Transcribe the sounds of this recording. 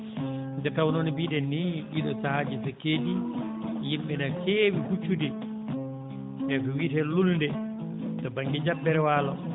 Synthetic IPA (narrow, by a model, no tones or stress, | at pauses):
dɛtawnonibiːɗɛnːiɗiɗɔsahad͡ʒisɛkeːd͡ʒijimɓɛnakeːwikut͡ʃːudɛ | ʔɛfɔwitɛlulndɛ | tɔbaŋɡid͡ʒabːɛɾɛwaːlɔ